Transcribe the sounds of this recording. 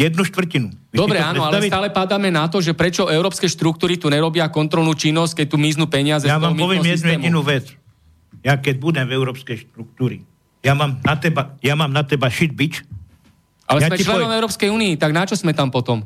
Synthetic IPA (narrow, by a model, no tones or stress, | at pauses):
jɛd̪nuʃt̪ʋr̩cinu | ʋid̪ɔbɾɛaaːnɔalɛst̪aːlɛpad̪aːmɛnat̪ɔʒɛpɾɛt͡ʃɔʔɛʊɾɔːpskɛːʃt̪ɾukt̪uːɾit̪uɲɛɾɔbɪakɔnt̪ɾɔlnuːt͡ʃinːɔsc̚kɛc̚t̪umiːznuːpɛɲɪazɛjaammiɔʋɪɛmɛd̪nujɛminuʋɛt͡s | jakɛɟ̚bud̪ɛmvɛʊɾɔːpskɛjʃt̪ɾuk̚t̪uːɾi | jamaːmnat̪ɛbajamaːmnat̪ɛbaʃid̪̚bit͡ʃ | ʔalɛjsmɛt͡ʃlɛnɔmɛʊɾɔːpskɛjuːniːt̪aɡnat͡ʃɔsmɛt̪ampɔt̪ɔm